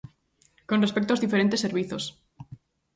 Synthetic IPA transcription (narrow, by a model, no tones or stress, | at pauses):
konrespekt̪ozðifeɾent̪esːeɾβiθos